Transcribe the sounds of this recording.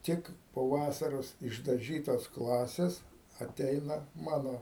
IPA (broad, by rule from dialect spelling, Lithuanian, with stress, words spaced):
ˈtʲɪk poː ˈʋɑːsɐroːs ɪʒdɐˈʒʲiːtoːs ˈklˠɑːsʲeːs ɐˈtʲɛɪnɐ ˈmɑːnoː